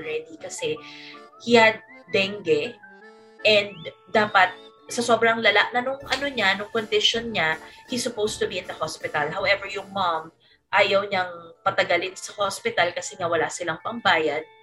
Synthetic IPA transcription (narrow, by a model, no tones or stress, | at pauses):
ɹɛd̪ikɐsɛhiad̪̚ːɛŋɡɛ | ʔɛnd̪̚d̪aːpɐt̪̚ | sɐso̞bɾɐŋlɐlaʔnɐnʊŋʔɐnoɲanʊŋkond̪ɪʃonɲahisʊpowst̪ʊbiɪnd̪ɐhospɪt̪ɐlɦɐwʔɛvɛɹjʊŋmam | ʔaːjɐwɲɐŋpɐt̪ɐɡɐlɪnsɐhospɪt̪ɐlkɐsɛŋawɐlasɪlɐŋpɐŋbaːjɐd̪̚